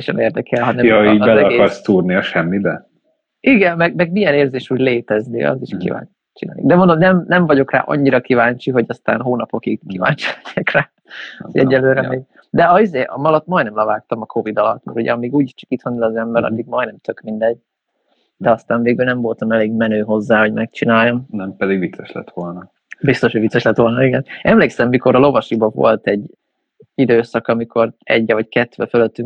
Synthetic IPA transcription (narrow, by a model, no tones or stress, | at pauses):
ɛʃɛneːrd̪ɛkɛlɦɒɛmoibɛlɛɒɡekɒrst̪uːrniɒʃɛmːid̪ɛ | iɡɛnmːɛɡmɛɡmijɛneːrzeːʃuːɟleːt̪ɛznḭɒ̰ziʃkḭva̰ːn | t͡ʃina̰ːnḭd̪ɛmond̪omnɛmnɛɱvɒɟo̞kra̰ːʔɒ̰ɲːiɾɒkivaːɲt͡ʃiɦo̞ɟɒst̪a̰ːnɦoːnɒpo̞kiɡkiva̰ːɲt͡ʃɛltːakraː | ɛ̰ɟːɛlːøːɾɛmeːɡ | d̪ɛɒizeːʔɒ̰mɒlɒt̪ːmɒjnɛmlɛvaːkt̪ɒmɒkʰo̞vid̪ɒlɒ̰t̪mɛ̰ɾuɟɛ̰ɒmiːɡuːɟiʃt͡ʃɒ̥kit̪honːilɒzɛmbɛɾɒ̰d̪ːiɡ̚mɒjnɛmt̪ʰø̞kmind̪ɛɟ̚ | d̪̥ɛɒst̪aːɱveːɡylnɛɱvo̞lt̪ɒmɛleːɡmɛnøːɦo̞zːaːho̞ɟmɛkt͡ʃinaːjːomnɛmpɛd̪iɡʋit̪sɛʃlɛ̰t̪ʋolnɒ | bist̪oʃoɟʋit̪sːɛʃlɛt̪ʋo̞lnɒiɡɛnɛmleːksɛmːiko̞ɾɒlo̞vɒʃibɒvo̰lt̪ɛɟː | id̪øːsɒkɒmikʰo̞rɛ̰ɟːɛvɒckɛt̪ʋɛføløt̪ːyŋ